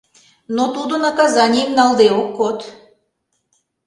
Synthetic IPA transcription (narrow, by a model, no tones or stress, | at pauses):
not̪ud̪onɑkɑzɑnʲijimnɑlˠd̪eokːot̪